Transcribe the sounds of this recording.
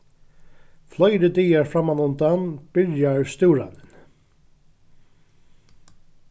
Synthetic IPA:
flœjɾəd̪iːjaɹfɾamanʊmt̪anb̥ʏljaɹst̪uːɾa̰nɪn

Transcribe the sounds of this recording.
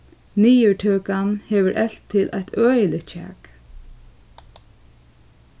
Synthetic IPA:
niːjəɹʈʰøːkanhɛːʋəɾʔɛl̥t̪ʰːɪlʔa̰jt̪œːjəlɪt̪t͡ʃʰɛ̰ːk

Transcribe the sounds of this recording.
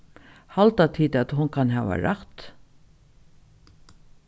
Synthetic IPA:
hɑlt̪ɑt̪ʰiːd̪ɑt̪hʊnkʰɑnɦɑːʋɑ̰ɾɑt̪

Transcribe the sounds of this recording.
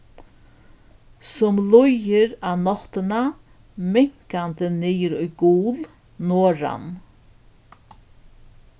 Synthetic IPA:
sʊmlʊjɪɾanɔht̪ɪna | mɪŋ̥kant̪ənɪjɪɾʊjɡuːl | noːɾa̰n

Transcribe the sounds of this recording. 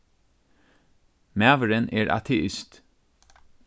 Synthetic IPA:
mæːʋəɹənʔeːɹʔɑ̰t̪ʰɛʔɪst̪

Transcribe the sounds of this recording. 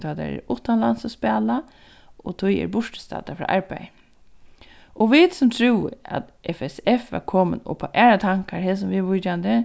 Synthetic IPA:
t̪ʰad̪a̰ɾɛ̰ɾɹʊht̪ːanlansɔspɛːla | ɔt̪ʰʊjɛ̰ɹbʊʂʈɪ̥st̪a̰ːt̪afɾa̰ːʔaɹpaj | ɔʋit̪sʊmt̪ʰɾuːwɪ̰a̰t̪ | ʔɛfɛsɛfʋa̰ɾkʰoːmɪnʊ̰pʰaʔɛːɹat̪ʰaŋ̥kaɾɦɪːs̬ʊmʋɪʋʊt̪jand̪ə

